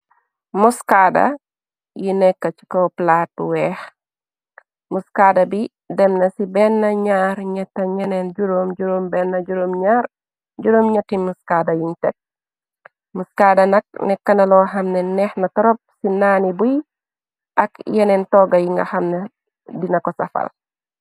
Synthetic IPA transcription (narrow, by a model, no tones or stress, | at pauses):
muskadɐ̰ | jinɛkːɐt͡ʃi̥kɔplaːt̚buwɛːx | muskadɐbi | dɛmnɐsibɛnːɐɲaːɾɲɐtːɐɲɛnɛnɟuɾomɟuɾombɛnːɐɟuɾomɲaɾ | ɟuɾoːmɲɐtːimuskaːdɐjintɛ̰t̚ | muskaːdɐnɐk̚nɛkːɐnɐlɔɦɐmnɛnɛxnɐtɔɾɔp̚sinaːnibuj | ʔɐkjɛnɛntɔɡɐjiŋɡɐ̰xɐmne | dinɐkɔsɐfɐ̰l